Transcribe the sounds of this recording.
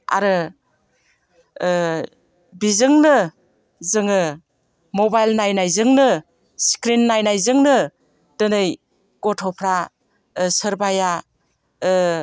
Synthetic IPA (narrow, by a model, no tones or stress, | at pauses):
a̰ɾɯ | bizɯŋnɯ | zɯŋɯ | mobajlnajnajzɯŋnɯ | skɾinːajnajzɯŋnɯ | d̥ɯnɯj | kɔtʰɔpʰɾa | sɯɾbaja